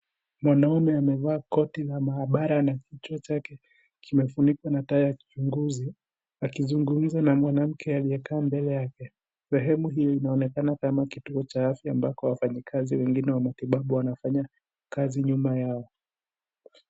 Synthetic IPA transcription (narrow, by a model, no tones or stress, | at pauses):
mwanaumɛamɛvaːkɔtilamaaɓaɾanakitwat͡ʃakɛ | kimɛfunikwanatajaki̥t͡ʃuŋɡuzi | akizuŋɡum̩zanamwanam̩kʰɛalijɛkaːmbɛlɛjakɛ | sɛɦɛmuɦijɔinaɔnɛkanakamakituɔt͡ʃaafjaːmbakɔwafaɲikʰaziwɛŋɡinɛwamatiɓaɓuwanafaɲa | kaziɲumajaɔ